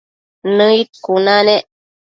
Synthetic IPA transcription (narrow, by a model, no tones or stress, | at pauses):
nəit̪̚kunaneʔ